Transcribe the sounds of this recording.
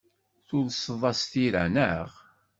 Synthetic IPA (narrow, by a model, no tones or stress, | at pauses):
θʊðsəðˤɑst̪iɾæ̰nəʁ